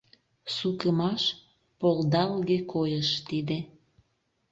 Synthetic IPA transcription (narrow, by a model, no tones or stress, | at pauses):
sukəmɑʃ | pold̪ɑlɡekʰojəʃt̪id̪e